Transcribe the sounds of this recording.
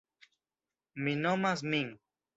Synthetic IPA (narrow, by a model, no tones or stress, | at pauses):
minomas̬miŋ